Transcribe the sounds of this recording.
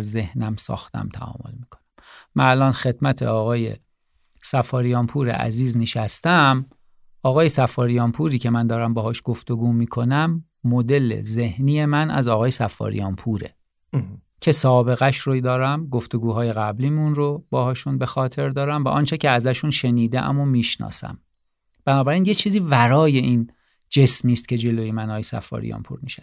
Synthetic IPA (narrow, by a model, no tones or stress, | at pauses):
ɾze̞hnæmsɒ̰ːxt̪æ̰mt̪ʰæ̰ɒ̰ːmo̞̰lmiːkʰo̥næmːænælʔɒːnxe̞d̪̚mæt̪ʰḛɒːɣɒːje̞̰ | sæfɒːɾijɒːmpʰuːɾḛʔæ̰ziːzneʃæst̪æm | ɒːɣɒːjesæfɒːɾijɒːmpʰuːɾiːcʰe̞mænd̪ɒːɾæmbɒːɦɒːʃɡ̥oft̪o̞ɡuːmiːkʰo̞næmː | od̪e̞le̞̰ze̞hniːje̞mænʔæ̰zɒːɣɒːje̞sæfːɒ̰ːɾḭjɒːmpʰuɾḛ | cʰe̞sɒːbe̞ɣæʃɾod̪ɒːɾæmɡo̞ft̪o̞ɡuːɦɒːje̞ɣæbliːmunrobɒːhɒːʃunbe̞xɒːt̪ʰe̞ɾd̪ɒːɾæmvæʔɒːnt͡ʃʰe̞cʰeæzæʃunʃe̞niːd̪ḛʔæ̰momiːʃnɒ̰ːsæ̰m | b̥ænɒːbæɾiːnjet͡ʃʰiːziːvæɾɒːje̞ʔiːn | d͡ʒe̞smiːst̪̚cʰe̞d͡ʒe̞lojemænɒːɣjesæ̰fɒ̰ːɾḭjɒ̰ːnpʰṵːɾmiːʃæ̥